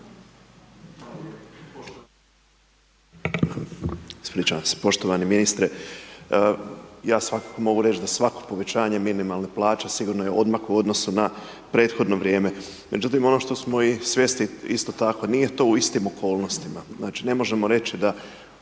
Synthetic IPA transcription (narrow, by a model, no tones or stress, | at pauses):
spɾiːt͡ʃaamse̥po̞ʃt̪oʋaniminist̪ɾe | jaːsʋakḁko̞mo̞ɡuɾe̞t͡ʃd̪asʋakopo̞ʋe̞t͡ɕaːɲeminimalˠneplˠaːt͡ʃesiɡuːɾnojeʔo̞d̪maxuo̞d̪no̞suna | pɾe̞ːt̪xo̞d̪no̞ʋɾje̞ːme̞ | mʔe̞d͡ʑut̪imo̞no̞ʃt̪o̞smo̞isʋje̞st̪iist̪ot̪ako̞niːje̞t̪o̞ːuist̪imo̞kʰo̞ːlˠno̞st̪imaznaːt͡ʃine̞mo̞ʒe̞mo̞ɾe̞t͡ʃid̪a